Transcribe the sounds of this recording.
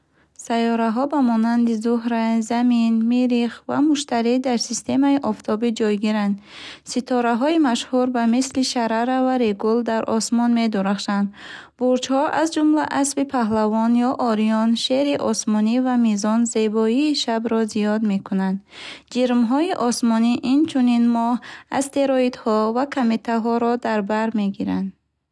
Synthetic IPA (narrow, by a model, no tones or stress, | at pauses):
sajɔɾaɦɔbamɔnand̪izuɦɾazaminmiɾiχva̰muʃt̪aɾid̪aɾsist̪ʰe̞maiʔɔft̪ʰɔbid͡ʒɔjɡiɾand̪sit̪ʰɔɾaɦɔimaʃhuɾbamisliʃaɾaɾavaɾeɡuld̪aɾʔɔsmɔnme̞d̪uɾaχʃand̪buɾt͡ʃhɔʔazd͡ʒumla̰ʔasbipʰaɦlavɔnjɔʔɔɾijɔnʃe̞ɾiʔɔsmɔnivamizɔnze̞bɔiːʃabɾɔzijɔd̪me̞kunand̪d͡ʒiɾmɦɔiʔɔsmɔniʔint͡ʃʰuninmɔha̰st̪e̞ɾɔid̪hɔvakʰamet̪ʰaɦɔɾɔd̪aɾbaɾme̞ɡiɾa̰nd̪